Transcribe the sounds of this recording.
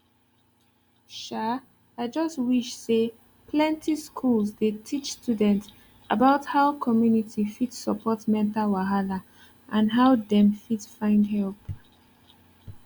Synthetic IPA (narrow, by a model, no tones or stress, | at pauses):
ʃa | aɪd͡ʒʌstwiʃse | pʰlɛ̃ntʰiskʰulzdetʰit͡ʃstjudɛ̃nts | əbaʊthaʊkʰɔmjunitʰifitsəpʰɔtmɛ̃ntalwaɦala | ʔãnɦaʊdɛ̃mfitfãɪ̃ndɦɛlp